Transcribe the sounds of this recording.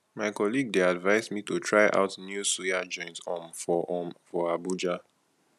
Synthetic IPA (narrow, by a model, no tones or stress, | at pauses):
maɪkɔliɡ̚deadvaɪzmitutʰɹaɪʔa̰ʊtnjusuad͡ʒɔ̃ɪ̃nsɔ̃mfɔʔɔ̃mfɔabud͡ʒa